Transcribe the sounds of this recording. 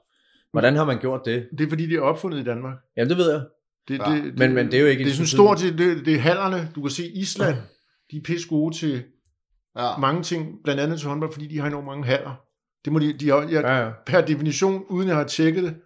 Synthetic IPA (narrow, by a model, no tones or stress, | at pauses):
ʋɒd̥ænhɑ̈mænɡ̥jo̝ɐ̰d̥ːe̝d̥e̝ɐfɒ̽d̥ḭːd̥iæɐɒ̽b̥fɔ̽n̰ð̩ˠid̥ænmɑ̈ːɡ̥̚jæmndeʋe̝ð̞̰ˠjaɪ | d̥e̝̥e̝dmenmend̥e̝æjoeɡ̥əde̝sɔ̽nsd̥o̝ɐ̰deded̥e̝ɦæl̰ɐnəd̥ukæse̝̰ːislæn̰ | d̥ipʰesɡ̥ot͡sʰe̝ | mɑ̈ŋət͡sʰe̝ŋ̰b̥lænd̥ænð̩ˠt͡sʰehɒ̽nb̥ɒ̽l̰fɒ̽d̥ḭːd̥ihɑ̈enɔ̰ːmɑ̈ŋəɦæl̰ɐ | d̥e̝mɔ̽did̥iɑjɑpʰæɐd̥e̝finiɕo̝̰ːnuð̞ˠn̩jɑhɑ̈t͡sʰeɡ̥ðˠd̥e̝